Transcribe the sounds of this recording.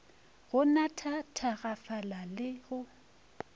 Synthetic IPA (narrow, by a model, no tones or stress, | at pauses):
ɣʊnatʰatʰaɣafalalɪɣʊ